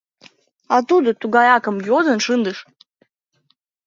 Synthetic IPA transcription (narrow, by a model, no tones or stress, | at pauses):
at̪ud̪ɨt̪uɡajakəmjozənʂɨnd̪ɨʂ